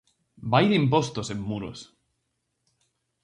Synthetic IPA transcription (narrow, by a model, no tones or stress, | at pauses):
bajðeimp̬ost̪osemːuɾo̰s